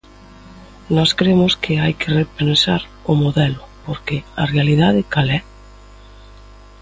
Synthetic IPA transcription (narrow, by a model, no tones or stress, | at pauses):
nɔskɾemʊskɪajkʰɪrepensaɾ | ʊmoðɛlʊpoɾkɪɐrealið̞aðɪkalɛ